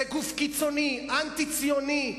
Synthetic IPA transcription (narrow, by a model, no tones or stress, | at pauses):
eɡufkit͡soniant̪it͡sioni